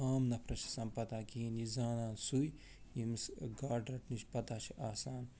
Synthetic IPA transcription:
aːmnɐpʰɾɐt͡ʃʰi̥sɐmpɐt̪aːkinizaːnaːnsuj | imsɡaːɖɾɐʈʰnit͡ʃʰpɐt̪aːt͡ʃʰiʔaːsaːn

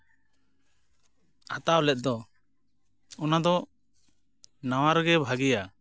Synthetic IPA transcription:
at̪awlɛt̪̚d̪ɔ | ɔnad̪ɔ | nawaɾɡɛbʱaɡija

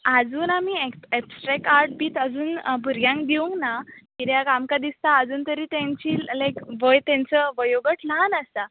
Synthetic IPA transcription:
ad͡zuːnamiːeɛpsʈɾɛkaɾʈ̚biːt̪əd͡zuːnbʱuɾɡjãŋk̚d̪iʋũŋɡnakiɾjakamkad̪ist̪aəd͡zuːnt̪əɾiːt̪ɛ̃ɲt͡ɕiːlajkʋəjt̪ɛ̃nt͡səʋəjoɡəʈlanəst̪a

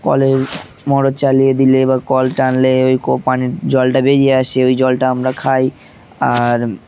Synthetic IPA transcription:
kɔ̰le | mɔɾot͡ɕalijed̪ilebakɔlʈanleojkopaniɾd͡ʑɔlʈabeɾijeaʃeojd͡ʑɔlʈaamɾakʰaj | aɾ

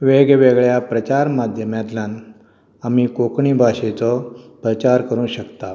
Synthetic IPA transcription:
ʋeɡʋeɡɭjapɾət͡ɕaɾmad̪ʱjəmjat̪ljãn | amikokɳiːbʱaɕet͡sɔpɾət͡ɕaɾkəɾũːɕəkt̪a

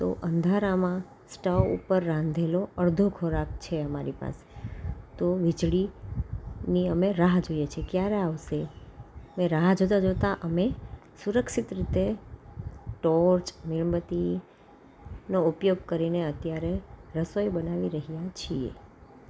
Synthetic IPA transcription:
t̪o̰ʔənd̪ʱaɾamã | sʈəfṵpəɾːãnd̪ʱeloəɾd̪ʱokʰoɾak̚t͡ʃʰeəmaɾipa̰se̥t̪oʋid͡ʒɭi | niəmeɾaɦd͡ʒojet͡ʃʰekjaɾeaʋʃeəmẽɾaɦd͡ʒot̪̬ad͡ʒot̪aʔəmesuɾəkʃit̪ɾit̪e | ʈɔɾt͡ʃmɪɭbət̪i | noupjoɡ̚kəɾineət̪jaɾeɾəsojbənaʋiɾəɦijat͡ʃʰiḛ

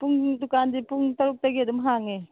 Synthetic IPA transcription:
puŋdukandipuŋtɐɾuk̚tɐɡiɐdumɦaŋe

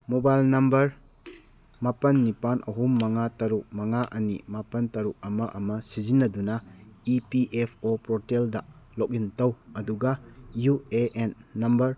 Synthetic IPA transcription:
mobajlnɐmbɐɾ | mapɐnːipanʔɐɦumːɐŋatɐɾuk̚mɐŋaʔɐnḭmapɐntɐɾuk̚ɐmɐʔɐmɐsizinːɐdunɐipiʔepʰopɾoteldɐlok̚intɐwɐduɡɐjueenːɐmbɐɾ

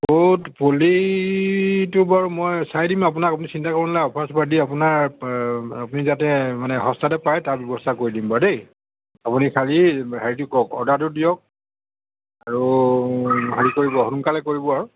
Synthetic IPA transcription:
botpoli | tʊbaɹmojsajdimapʊnakapʊnisintakɔɹɔnlajɔpʰasbadiapʊnaɹ | apunizatɛmanɛɦɔstatɛpajtaɹbjɔbɔstʰakoɹidimbadej | apunikʰalihaɹitʊkɔkɔ̰datʊdijɔk̚ | aɹu | ɦaɹikoɹibɔhʊnkalɛkoɹibɔaɹu

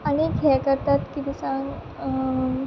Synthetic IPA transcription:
añikɛkəɾt̪at̪kit̪isãŋɡ

